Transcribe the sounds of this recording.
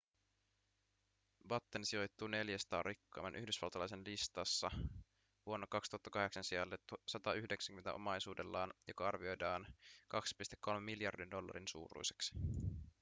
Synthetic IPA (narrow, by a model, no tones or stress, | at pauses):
bɑt̪ːensio̞jt̪ːune̞ljæst̪ɑːrikːɑ̰ːmɑ̰nʔyhdysʋɑ̰lt̪ɑlɑjs̬enlist̪ɑsːɑ | ʋuo̞nːɑkɑkst̪uhɑt̪ːɑkɑɦe̞ksɑnsiɑlːet̪ːusɑt̪ɑyhdeksæŋyment̪æ̰o̞mɑjsuːdelːɑːnjo̞kɑɑrʋio̞jdɑːnkɑksi̥pist̪ekʰːo̞lmemːiljɑrdindo̞lːɑ̰ɾinsṵːɾṵjseksi̥